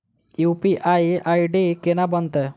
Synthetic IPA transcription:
jupiʔajʔajɖikenabənt̪ə

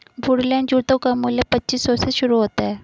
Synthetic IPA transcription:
bʱʊɽlɛ̃ːɳɖd͡ʒuːt̪õkamuːljəpɐtːʃiːsːɔseʃʊɾuɦoːt̪aɦɛː

